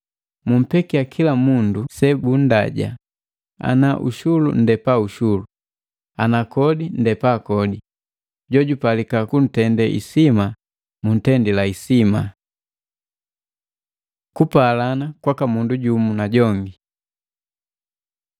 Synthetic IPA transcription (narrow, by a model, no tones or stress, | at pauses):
mum̩pɛkiakʰilamundusɛbun̩da̰ɟa̰ | a̰naʔṵʃulṵn̩dɛpauʃulu | anakɔdin̩dɛpakɔdi | ɟɔɟupalikakun̩tɛndɛʔḭsima | mun̩tɛndilaisima | kupalanakwakamunduɟumunaɟɔŋɡi